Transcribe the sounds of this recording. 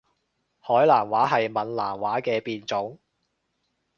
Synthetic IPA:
hɔː˨˥jlaː˨˩nwaː˨˥ɦɐ˨jmɐ˨nlaː˨˩mwaː˨˥kɛː˧piː˨˧nt͡sʊ˨˥ŋ

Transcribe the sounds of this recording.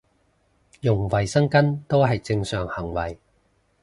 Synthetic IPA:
jʊ˨˩ŋwɐ˨˩jsɐ˥ŋkɐ˥nt̪o˥wɦɐ˨jt͡sɪ˧ŋsœː˨ŋhɐ˨˩ŋwɐ˨˩j

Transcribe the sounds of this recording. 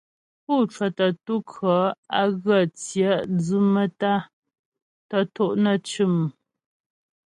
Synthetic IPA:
pu˦˨t͡ʃwə˨tə˨tu˦kʰɰɔ˨˦a˦ɣə˦˨t͡sjə˦d͡zʉ˦mə˦ta˦ | tə˨to˦ʔnə˨t͡ʃʉ˦˨m˨

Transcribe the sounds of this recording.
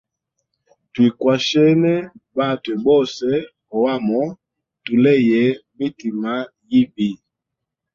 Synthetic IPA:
ti˨kwa˨ʃɛ˦nɛ˦ba˦˨twɛ˨bɔ˦sɛ˦ | ɔ˨wa˦˨mɔ˦ | tu˨lɛ˦˨jɛ˨˦mi˦ti˨ma˦ | ji˦bi˨

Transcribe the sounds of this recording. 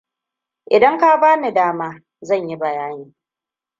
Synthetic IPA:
ʔɪ˨dɐ˦ŋka˦baː˦ni˨daː˦maː˦ | zɐ˦˨ɲji˦bɐ˨jaː˦niː˦

